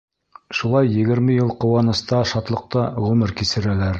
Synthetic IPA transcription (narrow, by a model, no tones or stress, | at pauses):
ʃulˠɑjːɘ̆ɡɘ̆ɾmɘjɤlˠqŏwɑnɤ̆st̪ɑʃɑt̪lˠɤ̆q̚t̪ɑʁʉmɘɾkisɘ̆ɾælæɾ